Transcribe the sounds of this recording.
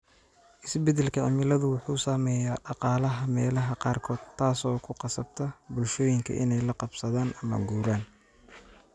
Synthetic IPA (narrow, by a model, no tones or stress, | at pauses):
ʔɪsbɛd̪ɛlkʰɐʕɪmɪlɐðʊwʊħuːsamɛːjaːɖɑqɑːlɐɦɐmɛːlɐɦɐqɑːrkʰɔːd̪̥̚t̪ʰːaːsɔːkʰʊqɑsɐb̚t̪ʰɐbʊlʃɔːjɪŋkʰɐ̰ʔɪ̰nɛjlɐqɑbsɐðaːnɐmɐ̰ɡuːɾaːn